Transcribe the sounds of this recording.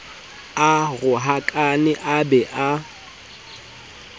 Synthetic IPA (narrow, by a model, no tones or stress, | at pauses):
aɣʊɦakʼanɪʔabɛʔa